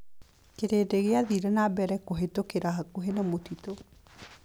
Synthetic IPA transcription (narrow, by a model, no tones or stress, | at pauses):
keɾedeɣeaðiɾɛnabɛɾɛkoɦetokeɾaɦakoɦenɛmotito